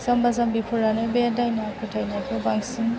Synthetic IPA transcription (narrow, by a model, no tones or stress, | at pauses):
zambazambipʰuɾanɯbedajnakʰɯtʰajnakʰɯbaŋsin